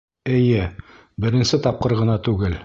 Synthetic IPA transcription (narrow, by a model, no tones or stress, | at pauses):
ɘ̆jɘ | bɘ̆ɾɘ̆nsɘt̪ɑp̚qɤɾʁɤ̆nɑt̪ʉɡɘl